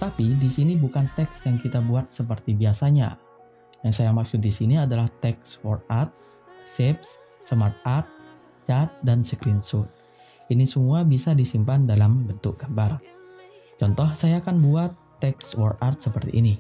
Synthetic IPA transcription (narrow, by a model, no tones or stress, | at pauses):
t̪apidisinibukant̪ɛksjaŋkit̪abuat̪̚səp̬ərt̪ibiasaɲa̰ | jaŋsajamaksʊt̪̚disiniadalaht̪ɛkswɔr̚art̪̚ | sep̚sː | əmart̪̚art̪̚ | t͡ʃat̪̚dansəkɾinsʊt̪̚ | inisəmuabisadisimpandalambənt̪ʊk̚ɡ̥ambar | t͡ʃɔnt̪ɔhsajakanbuat̪ːɛkswɔrart̪̚səpərt̪ḭʔːni